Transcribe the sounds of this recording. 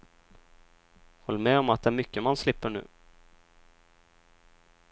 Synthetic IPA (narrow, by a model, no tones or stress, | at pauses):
hɔlːmɛɔmat̪̚d̪ɛæɾmʏkːəmanslɪpːəɳʉ̟̰ː